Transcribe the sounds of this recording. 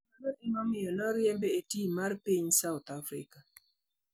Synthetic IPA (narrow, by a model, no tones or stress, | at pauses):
anɔtɪmɔmɪjɔnɔɾjɛmbeetimarpiɲsaʊt̪afɾɪ̰ka